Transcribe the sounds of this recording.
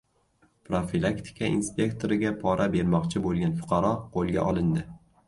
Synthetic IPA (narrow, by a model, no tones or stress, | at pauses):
pɾofilˠakt̪ʰɪ̥kʲʰaʔḭnspʲe̞kt̪ʰo̞ɾɪɡʲapʰɒɾʔabe̞ɾmɒqt͡ʃʰɪbolˠɡʲanfʊ̥qʰɑɾɒqʰolˠɡʲa̰ʔɒlˠɪnd̪ɪ